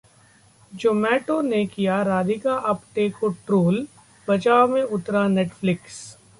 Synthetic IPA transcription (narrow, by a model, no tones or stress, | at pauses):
d͡ʒoːmɛːʈõnekijaɾaːd̪ikaʔɐpʈeːkoʈɾoːl | bɐt͡ʃaːomẽʊt̪ɾaneːʈflɪks